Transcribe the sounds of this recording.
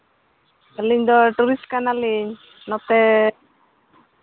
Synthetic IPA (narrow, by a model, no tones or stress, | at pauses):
aliɲd̪ɔʈuɾiskanaliɲ | nɔt̪ɛ